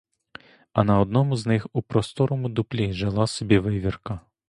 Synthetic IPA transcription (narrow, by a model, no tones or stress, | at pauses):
ɐnɐɔd̪nɔmʊznɪxupɾɔst̪ɔɾɔmʊd̪ʊplʲiʒelˠɑsɔbʲiʋɪʋʲirkɐ